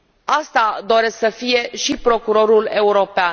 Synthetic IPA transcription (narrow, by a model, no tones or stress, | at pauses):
ast̪ad̪o̞ɾe̞sksəfije̞ʃipɾo̞kuɾo̞ɾule̞uɾo̞pean